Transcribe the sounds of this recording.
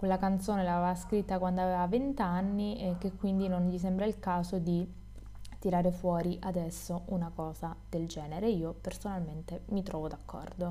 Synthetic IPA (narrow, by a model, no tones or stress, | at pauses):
kwelːakant̪soːnelavevaskɾit̪ːakwand̪oaveːvavent̪anːiɛk̟ekːwind̪inoɲʎis̬ɛmbɾailkaːzod̪i | t̪iɾaːɾefwɔːɾiʔad̪ɛsːoʔunakɔːzad̪̥eld͡ʒɛːneɾeiːopersonalment̪emit̪ɾɔːvod̪akʰːɔ̰rd̪o